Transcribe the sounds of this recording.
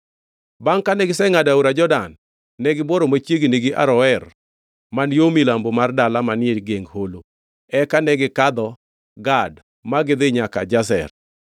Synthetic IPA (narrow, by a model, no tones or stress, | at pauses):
baŋkanɛɡɪsɛŋadauɾad͡ʒɔdanː | ɛɡɪboɾomat͡ʃjeɡneɡɪʔa̰ɾɔɛr | manjomilambomardalamanɪelɡeŋɡholo | ɛkanɛɡɪkad̪ɔ | ɡad | maɡɪd̪ɪɲaka̰d͡ʒasɛ̰r